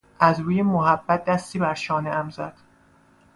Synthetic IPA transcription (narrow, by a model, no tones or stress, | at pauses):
ʔæzɾuːjemoɦæbːæt̪̚d̪æst̪iːbæɾʃɒːneæmzæd̪̥